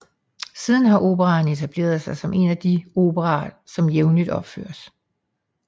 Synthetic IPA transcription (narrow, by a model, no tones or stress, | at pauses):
siːð̞ˠn̩ɦɑ̈ʔo̝ːb̥əʁɑ̈ːne̝t͡sʰæb̥le̝̰ːɐð̞ˠsɑ̈ɪsɒ̽mʔe̝næd̥io̝ːb̥əʁɑ̰̈ːsɒ̽mjeʊnlid̥ɒ̽b̥fø̰ːɐs